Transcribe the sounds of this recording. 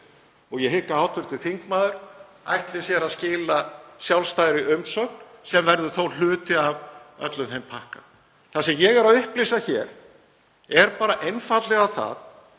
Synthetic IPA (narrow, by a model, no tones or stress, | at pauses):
ɔɣjɛɦɪkːaaːwt̪vʏɾ̥t̪ɪ̥θiŋkmaːðʏɾ̥ | a̰jht̪lɪsjɛɾaðscɪːlasjawlst̪aːjðɾɪʔʏmsœk̚nsɛmvɛɾðʏ̥θowl̥ʏːt̪ɪavœ̰t̪lʏθhejmpʰahka | θasɛmjɛɣɛɾaðʏhplisaçɛːɾ̥ | ɛɾpaːɾaʔejnfat̪lɛɣawθa̰θ